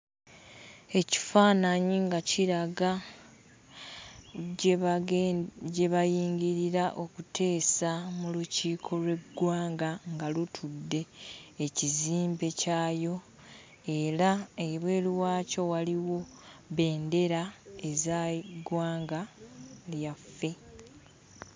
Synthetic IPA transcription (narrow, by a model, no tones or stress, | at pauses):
e̞ci̥faːnaɲiŋɡaciɾaɡa | ɟe̞βajiːŋɟiɾiɾaʔo̞kutʰe̞ːsamuluciːkʰo̞lwe̞ɡːwaːŋɡaŋɡalutʰudːe̞ːciziːmbe̞caːjo̞ | e̞ɾaeβwe̞ːliwaːco̞waliwo̞βe̞ːnde̞ɾae̞zaɡwaːŋɡaljafːe̞